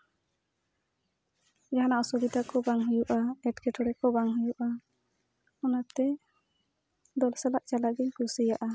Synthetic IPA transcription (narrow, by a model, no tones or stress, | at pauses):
d͡ʒaɦanaʔɔsɔbid̪akɔbaŋɦujuʔaɛʈkɛʈɔɾɛkɔbaŋɦujuʔa | ɔnat̪ɛ | d̪ɔlsalaʔt͡ʃalaʔɡiɲkusijaʔa